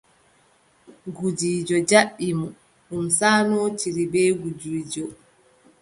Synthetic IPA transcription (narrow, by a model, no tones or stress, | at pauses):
ɡud͡ʒiːd͡ʒɔd͡ʒaʔːimɔ | ɗunsaːnɔːt͡ʃiɾibɛɡud͡ʒiːd͡ʒɔ